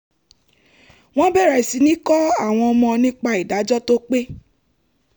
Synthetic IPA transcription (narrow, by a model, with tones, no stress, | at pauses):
w̃ɔ̃˦bɛ˦˨ɾa˨i˨si˨˦nĩ˦kɔ˦a˦˨w̃ɔ̃˧ɔ˧mɔ̃˧nĩ˦k͡pa˧i˨da˨˦d͡ʒɔ˦to˦k͡pe˦